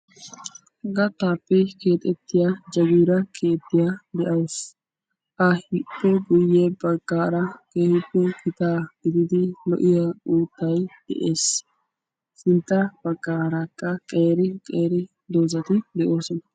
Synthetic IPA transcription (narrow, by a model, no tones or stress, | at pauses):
ɡɐt̪ːaːpːɛke̞ːt̪ʼɛt̪ːɪjad͡ʒɐɡiːɾɐkʰeːt̪ːɪjad̪ɛʔɐws | ʔɐhɪpːɛɡʊjːeːbɐɡːaːɾɐkeːhɪpːɛkɪt̪aːɡ̥ɪd̪ɪd̪ɪlɔ̰ʔɪjauːt̪ːɐjd̪̥ɛ̰ʔe̞ːs | sɪnt̪ːɐb̥ɐɡːaːɾɐkːɐkʼe̞ːɾɪkʼe̞ːɾɪ | d̪o̞ːzɐt̪ɪd̪ɛʔo̞ːsɔnɐ